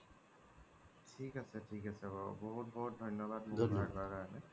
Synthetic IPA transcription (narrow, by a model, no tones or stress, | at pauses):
tʰikasɛtʰikasɛbɔbɔɦut̚bɔɦut̚dʱɔjnɔbad̚mudʱakbaɡanɛ